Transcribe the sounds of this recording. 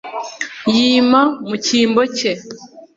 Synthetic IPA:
jiːmamuciːmboce

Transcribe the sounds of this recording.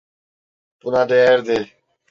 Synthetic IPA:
punaːɖeɾd̪e

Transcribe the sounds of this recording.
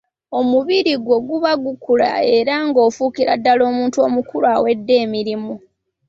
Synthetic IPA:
o̞muβiɾiɡwo̞ɡuβaɡukula̰e̞ɾaŋɡo̞ːfukiɾa̰dːalo̞ːmuːntuo̞̰mukulwawe̞dːe̞ːmiɾimu

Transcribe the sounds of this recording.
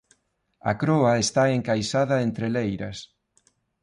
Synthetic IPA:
ɐ̰kɾoɐest̪aeŋkajsaðɐent̪ɾelejɾɐs

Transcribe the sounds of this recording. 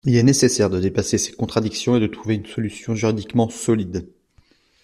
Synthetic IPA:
ilɛnesesɛʁd̪əd̪epasese̥kɔ̃t̪χad̪iksjɔ̃ed̪ət̪χuveynsɔlysjɔ̃ʒyʁid̪ikmɑ̃sɔlid̪

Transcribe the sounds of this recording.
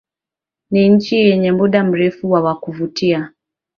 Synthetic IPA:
niɲ̩t͡ʃijɛɲɛmuɗam̩ɾɛfuwawakuvutia

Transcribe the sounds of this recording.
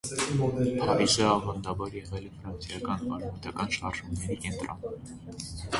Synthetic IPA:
hɑɾisəɑvɑnd̪ɑvɔɾjɛʁɛlɛfɾɑnt͡sʰjɑkɑnmɑɾɑmɑt̪ɑkɑnʃɑrʒumnɛɾikɛnt̪ɾɔ̰n

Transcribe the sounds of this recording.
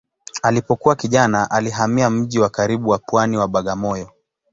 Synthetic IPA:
alipɔkuwakiʄanaʔaliɦamiam̩ʄiwakaɾiɓuwapwaniwaɓaɠamɔjɔ

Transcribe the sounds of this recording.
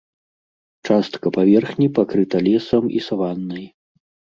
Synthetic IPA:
t͡ʂast̪kɐpavʲɛrxnʲipakɾɨt̪ɐlʲɛsɐmḭsavanːɨj

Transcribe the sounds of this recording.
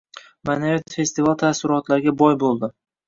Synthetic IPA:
manajat̪fe̞st̪ɪvalˠt̪ʰasɪɾɒt̪laɾɪɡʲabɒjbolˠd̪ɪ

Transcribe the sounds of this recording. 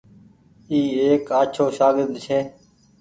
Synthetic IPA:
iːeːkaːt͡ʃʰoːʃaːɡɪɾd̪t͡ʃʰeː

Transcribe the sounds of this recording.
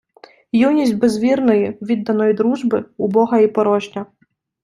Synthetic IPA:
junʲisʲtʲbezʋʲirnɔjiʋʲid̪ːɐnɔjid̪ɾuʒbɪʊbɔɦɐipɔɾɔʒnʲɐ

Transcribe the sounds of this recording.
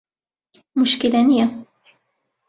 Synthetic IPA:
mʊʃkilanija

